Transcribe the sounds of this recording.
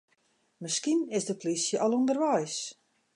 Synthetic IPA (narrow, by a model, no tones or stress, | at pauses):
mɪskinɪsdəpʰlisjəʔɑlˠondərʋɛjs